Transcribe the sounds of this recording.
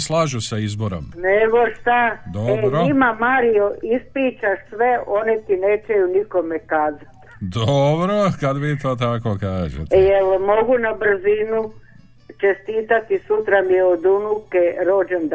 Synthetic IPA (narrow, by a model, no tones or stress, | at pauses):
slaːʒusaizboɾo̰mneɡoʃt̪ad̪oeɾimamaːɾijoispɾiːt͡ʃaʃsʋe̞o̞net̪ineːt͡ʃejuniko̞mekaːzat̪ | d̪obɾokad̪ʋit̪oːt̪akokaːʒḛt̪jelmo̞ɡunabr̩zinu | t͡ʃest̪iːt̪at̪isut̪ɾamijeod̪unukeɾo̞ːd͡ʒend̪